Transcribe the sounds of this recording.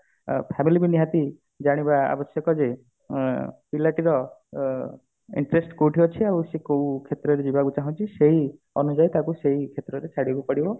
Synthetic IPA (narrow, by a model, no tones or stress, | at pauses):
pʰamilibiniɦat̪i | d͡ʒaɽ̃ibaa̰bɔsjɔkɔd͡ʒe | pilaʈiɾɔ | ḭɳʈɾesʈkowʈʰiɔt͡ʃʰiawsekow̃kʰet̪ɾɔɾed͡ʒibaɡut͡ʃaɦũt͡ʃʰiseɦi | ɔnud͡ʒajt̪akuseɦikʰet̪ɾɔɾet͡ʃʰaɽibupɔɽibɔ